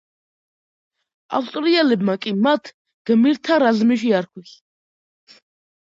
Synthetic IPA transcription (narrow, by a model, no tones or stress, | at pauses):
a̰fst̪ʼɾiɛlɛbmakʼimat̪ʰ | ɡ̥miɾt̪ʰaɾazmiʃ̬iaɾkʰwis